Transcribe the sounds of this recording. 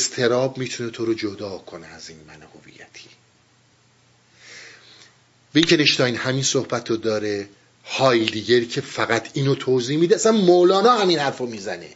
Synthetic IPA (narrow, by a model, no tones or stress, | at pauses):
st̪ʰe̞ɾɒːbmiːt̪ʰunet̪ʰoɾod͡ʒod̪ɒːkʰoneæziːnmænhovḭjæt̪ʰi̥ | væiŋcʰeneʃt̪ɒːinhæmiːnsohbæt̪ʰːod̪ɒːɾe | hɒːjd̪iːɟæɾicʰe̞fæɣæt̪ʰiːnot̪ʰoːziːhmid̪eæsænmolɒːnɒːhæmiːnhæɾfomiːzænḛ